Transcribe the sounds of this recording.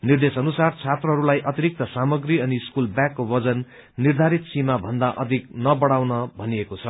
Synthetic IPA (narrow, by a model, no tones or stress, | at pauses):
nird̪esʌnusart͡sʰat̪rʌɦʌɾulajʔʌt̪iɾik̚t̪ʌsamʌɡriʌniskulbjãkːobʌd͡zʌnː | ird̪ʱaɾit̪simabʱʌnd̪aʔʌd̪ʱik̚nʌbʌɽawnʌbʱʌniekot͡sʰʌ